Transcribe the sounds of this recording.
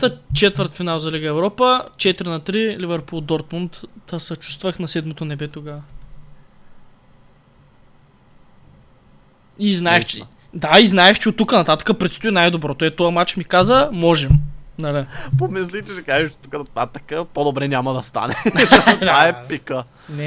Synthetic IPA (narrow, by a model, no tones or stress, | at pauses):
t̪ət͡ʃɛt̪vəɾt̪finalˠzɐliɡəɛvɾɔpət͡ʃɛt̪iɾinɐt̪ɾilivɛɾpulˠd̪ɔɾt̪munt̪əsɐt͡ʃu̥st̪vəxnɐsɛd̪mot̪onɛbɛt̪oɡa | iznaɛʃt͡ʃ | d̪aiznaɛxt͡ʃɛot̪ːukənɐt̪at̪ə̥kəpɾɛt̪st̪ʊinajd̪obɾɔt̪oɛt̪ɔamat͡ʃmikazəmɔʒɛmnɐlipomislit͡ʃ̪iʃɛkaʒit͡ʃɛt̪ukənɐt̪at̪əkəpod̪obɾɛnʲamɐd̪ɐst̪a̰nɛ | aɛpikə | nɛ